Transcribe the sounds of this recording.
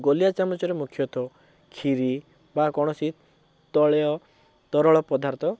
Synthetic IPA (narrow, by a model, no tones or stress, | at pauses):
ɡolijat͡ʃamɔt͡ʃɔɾemukʰjɔt̪ʰɔ | kʰiɾi | bakɔɽ̃ɔsit̪ | t̪ɔɭeɔ | t̪ɔɾɔɭɔpɔd̪ʱaɾt̪ʰɔ